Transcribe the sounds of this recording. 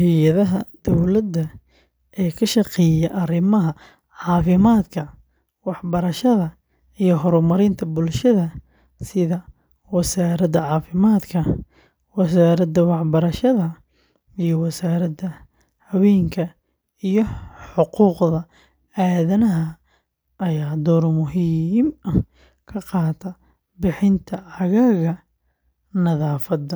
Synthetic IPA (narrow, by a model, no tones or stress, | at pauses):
hɪjɐðɐɦɐd̪̥ɔwlɐd̪ːɐ | ʔɛːkʰɐʃɑqɛjɐʔɐrɪmɐɦɐ | ʕɑːfɪmaːd̪kʰɐ | wɑħbɐɾɐʃɐðɐ | ijɞɦɔɾmɐɾɪnt̪ʰɐbʊlʃɐðɐ | sɪðɐ | wɐsaːɾɐd̪ɐʕɑːfɪmaːd̪kʰɐ | wɐs̬aːɾɐd̪ɐwɑħbɐɾɐʃɐðɐ | ijɞwɐsaːɾɐd̪ɐ | hɐwɛːŋkʰɐ | ijɞħʊquːqðɐ | aːðɐnɐɦɐ | ʔɐjaːd̪ɔːɾmʊɦimɐ | kʰɐqɑːt̪ʰɐ | bɪħɪnt̪ʰɐʕɑɣaːɣɐ | nɐðaːfɐd̪ɐ